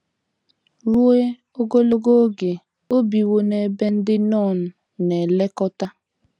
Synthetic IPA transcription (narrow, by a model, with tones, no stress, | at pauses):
ɾu˦e˦ | o˦ɡo˦lo˦ɡo˦ɡe˨ | o˦bi˨wo˦ne˨be˦n̩˦dɪ˦nɔ˦˨n̩˨ | ne˨le˦kɔ˦ta˦